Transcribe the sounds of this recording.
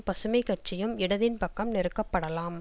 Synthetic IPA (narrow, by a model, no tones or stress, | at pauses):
pɐsɯmɐɪkːɐʈ̚t͡ʃɪjɯmɪɽɐðɪnpɐkːɐmnɪɾɯkːɐpːɐɽɐlaːm